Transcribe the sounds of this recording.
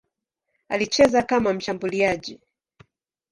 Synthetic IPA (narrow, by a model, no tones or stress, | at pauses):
a̰lit͡ʃɛzakamam̩ʃambuliaʄi